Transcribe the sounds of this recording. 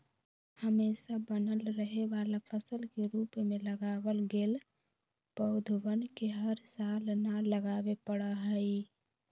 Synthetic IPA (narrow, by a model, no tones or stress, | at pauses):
həmeːsabənəlɾəɦeʋaːlapʰəsəlkeɾuːpmẽləɡaːwəlɡeːl | pəʊd̪ʱwənkeɦəɾsaːlnaləɡaːwepəɽaɦəi